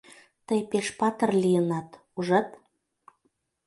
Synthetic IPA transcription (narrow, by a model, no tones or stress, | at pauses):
t̪əjpeʃpɑt̪ə̆rlijənɑt̪ | uʒɑt̪